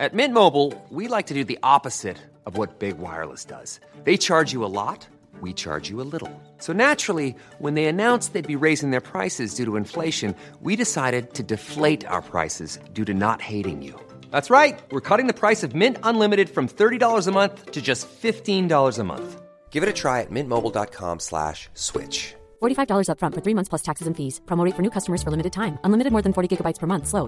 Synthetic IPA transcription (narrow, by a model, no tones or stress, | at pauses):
ɨt̚mɪ̃nmoʊbl̩ˠwilaɪk̚tʰɨdɨðiʔɑpɨz̥ɪɾ | ʌvwʌt̚b̥ɪɡwa̰ɪə̰˞lˠə̰sd̥ʌ̰z̥ | ðeɪt͡ʃʰɑɹd͡ʒɨəlɔ̰t̚ | wit͡ʃʰɑ̰ɹd͡ʒɨəlɪɾl̩ˠ | soʊnæt͡ʃɹ̥l̩ˠi | wə̃nðeɪɨnãʊ̃nsðeɪd̚biɹeɪzɪ̃ŋðə˞pʰɹ̥aɪsɨzdʉɾəɨ̃ɱfleɪʃɨ̃n | wiɾɨsaɪɾɨd̚tʰɨdɨfleɪɾa̰ʊə̰˞pʰɹ̥a̰ɪsɨ̰zdʉɾɨnə̰t̚heɪɾɪ̰̃ŋjʉ̰ | ðætsɹaɪt̚wɨɹkʰʌɾɪ̃ŋðɨpʰɹ̥aɪsʌvmɪ̃ntə̃nlɪ̃mɨɾɨd̥fɹʌ̃mθɜ˞ɾidɔlˠə˞zəmʌ̃nθtʰɨd͡ʒʌstfɪftĩndɔlˠə˞zəmʌ̰̃nθ | ɡ̥ɪvɨɾɨtʰɹ̥aɪɨ̰t̚mɪ̃nmoʊbl̩ˠdɑ̰t̚kʰɑ̰̃mslæ̰ʃswɪ̰t͡ʃ | fɔɹɾifaɪvdɔlˠə˞zʌpfɹʌ̃ntfə˞θɹimʌ̃nθspʰlʌstʰæksɨzɨ̃nfiz̥pʰɹɑmoʊitfə˞nʉkʰʌstəmə˞z̥fə˞lɪ̃mɨɾɨd̚tʰãɪ̃mə̃nlɪmɨɾɨd̚mɔɹðɨ̃nfɔɹɾiɡɪɡəbaɪtspʰə˞mʌ̃nθsloʊ